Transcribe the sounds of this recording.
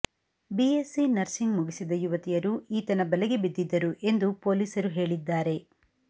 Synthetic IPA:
biesinɐɾsiŋɡmuɡisid̪ɐjuʋɐt̪ijɐɾuiːt̪ɐnɐbɐleɡebid̪ːid̪ːɐɾuʔe̞nd̪upo̞ːliːsɐɾuɦe̞ːɭid̪ːaːɾe̞

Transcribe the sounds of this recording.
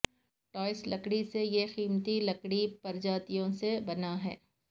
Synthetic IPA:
ʈɔːɪslɐkɽisejexiːmt̪ilɐkɽipɐɾd͡ʒaːt̪ijõsebɐnaɦɛ̰ː

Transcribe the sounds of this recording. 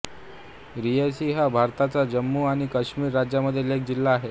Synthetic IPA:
ɾijesiːɦabʱaɾt̪at͡sad͡ʑəmːuaɽ̃ikəɕmiːɾːad͡ʑjaməd̪ʱːjelek̚d͡ʑilːaːɦe

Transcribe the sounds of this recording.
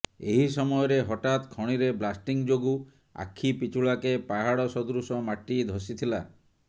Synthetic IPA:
eɦisɔmɔjɔɾeɦɔʈat̪kʰɔɽ̃iɾeblasʈiŋd͡ʒoɡu | a̰kʰːipit͡ʃuɭakepaɦaɽɔsɔd̪ɾusɔmaʈid̪ʱɔsit̪ʰila

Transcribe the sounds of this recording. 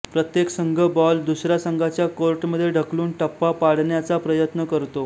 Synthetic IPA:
pɾət̪jeksəŋɡʱəbɔld̪usɾjasəŋɡʱat͡ɕjakoɾʈməd̪ʱːjeɖʱəkluːnʈəpːapaɽ̤ɳjat͡sapɾəjət̪nəkəɾt̪o

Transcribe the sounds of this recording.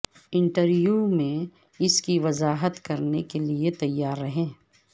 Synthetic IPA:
ɪ̃ɳʈəɾjuːmẽ | ɪskiʋɐzaːɦət̪kɐɾnekeliet̪ɐjːaːɾːɐɦẽː

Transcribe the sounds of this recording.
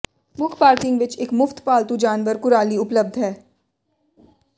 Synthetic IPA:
mʊkʰpaːɾkɪ̃ŋɡʋɪt͡ʃɪkmʊft̪paːlt̪ud͡ʒaːnʋəɾkʊɾaːliʊpləb̚d̪ʱɦɛː

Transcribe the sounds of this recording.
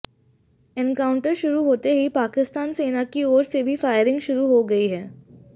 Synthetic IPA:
ɛ̃nkaːʊ̃ɳʈəɾʃʊɾuɦoːt̪eɦipaːkɪst̪aːnseːnakioːɾsebʱifaːɪəɾɪ̃ŋɡʃʊɾuɦoɡɐiɦɛː

